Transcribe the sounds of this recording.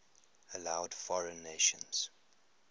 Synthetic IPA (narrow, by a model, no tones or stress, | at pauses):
əlaʊd̥fɔɹə̃nːeʃə̰̃nz̥